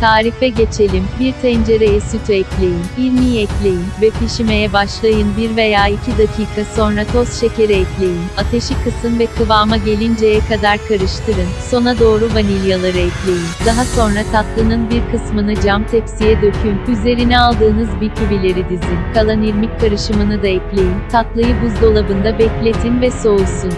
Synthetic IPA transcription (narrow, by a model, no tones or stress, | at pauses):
t̪ʰaːɾifɛɟe̞t͡ʃʰe̞lʲimbiɾt̪ʰɛnd͡ʒe̞ɾejɛsyt̪ʰyɛclʲe̞jiniɾmijɛclʲe̞jinvɛpiʃime̞jɛbaʃlˠajɯnbiɾve̞jaːicʰid̪acʰiːkʰaso̞nɾat̪ʰo̞sʃe̞ceɾɛɛclʲe̞jinat̪ʰe̞ʃikʰɯsɯmvɛkʰɯvaːmaɟe̞lʲind͡ʒejɛkad̪aɾkʰaɾɯʃt̪ʰɯɾɯnso̞nad̪o̞ːɾuvanilʲijalˠaɾɯɛplʲe̞jind̪aɦaso̞nɾat̪ʰat̪lˠɯnɯnbiɾkʰɯsmɯnɯd͡ʒamt̪ʰɛpsijɛd̪ø̞cʰynyze̞ɾinɛalˠd̪ɯːnɯzbicʰyvilʲe̞ɾid̪izinkʰalˠaniɾmicʲkʰːaɾɯʃɯmɯnɯd̪aɛplʲe̞jint̪ʰat̪lˠajɯbuzd̪o̞lˠabɯnd̪abɛclʲet̪ʰinvɛso̞usun